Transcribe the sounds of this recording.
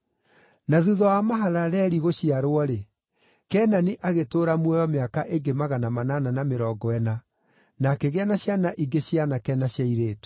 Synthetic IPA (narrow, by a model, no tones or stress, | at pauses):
naðuðɔamaɦalaɾɛːɾiɣoɕiaɾoɔɾe | kɛːnaniʔaɣetoːɾamwɛjɔmeakaʔeŋɡemaɣanamanananameɾɔːɡɔɛna | nakɛɣeanaɕjanaʔiɡeɕjanakɛnaɕjaiɾeːtu̥